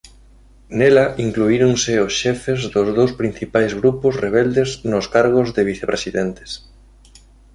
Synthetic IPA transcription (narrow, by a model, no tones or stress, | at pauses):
nɛlɐʔiŋkluiɾoŋsɪʊsʃɛfezðʊzðowspɾin̟θipajzɣɾupʊsreβɛld̪eznʊskaɾɣ̞ʊzðɪβiθepɾʔesiðɛnt̪ɪ̥s